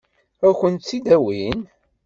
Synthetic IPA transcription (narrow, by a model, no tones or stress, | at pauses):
æçʷənt̪t͡sːid̪æwin